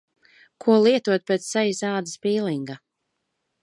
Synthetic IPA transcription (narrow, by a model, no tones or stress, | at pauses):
kʰuɔlˠiɛt̪uɔt̪̚pʲɛt̪ssajizaːd̪ɨspiːlˠiŋɡa